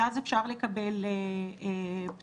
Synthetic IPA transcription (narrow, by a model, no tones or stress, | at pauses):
azefʃaʁle̞kabele | p